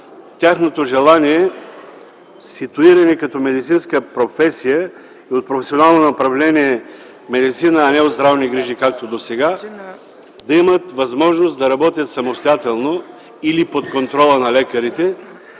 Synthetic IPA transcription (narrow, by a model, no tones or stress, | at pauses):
t̪ʲjaxnot̪oʒɛlˠaniɛ | sit̪uiɾɐnikɐt̪ɔmɛd̪it̪sinskəpɾofɛsijə | iot̪̚pɾofɛsionalˠnonɐopɾɐvlɛniɛ | mɛd̪it̪sinəːnɛod̪zd̪ɾavniɡɾiʒikak̚t̪od̪osɛɡa | d̪ɐimət̪vɐzmɔʒnosd̪ɐɾɐbɔt̪ʲjət̪sɐmost̪ojat̪ɛlˠno | ilipot̪kont̪ɾɔlˠənɐlɛkɐɾit̪ɛ